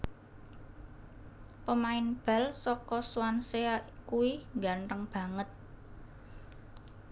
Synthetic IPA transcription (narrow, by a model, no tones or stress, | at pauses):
pəmaɪnb̥a̤lsɔkɔswanseakuwiŋɡanrəŋb̥ä̤ŋət̪̚